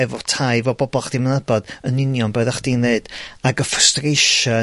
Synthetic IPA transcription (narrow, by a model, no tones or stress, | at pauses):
ɛvɔtʰaɨvɔbɔbɔlˠχd̥imənɛbɔd̥ənɪnjɔnbəːðaχd̥inneɨd̥aɡəfəstrejʃə